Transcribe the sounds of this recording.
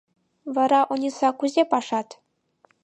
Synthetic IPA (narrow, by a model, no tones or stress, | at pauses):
ʋɑɾɑʔunʲisɑkuzʲepɑʂɑt̪